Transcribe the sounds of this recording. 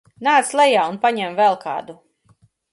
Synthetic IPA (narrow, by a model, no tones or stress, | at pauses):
naːt̪slˠɛjaːunpaɲɛmvɛlˠkʰɑ̰ːd̪u